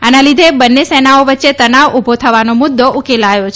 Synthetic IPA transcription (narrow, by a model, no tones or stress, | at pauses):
analid̪ʱebənːesenaoʋətːʃet̪ənaʋubʱot̪ʰəʋanomʊd̪ʱːoʔukelajot͡ʃʰ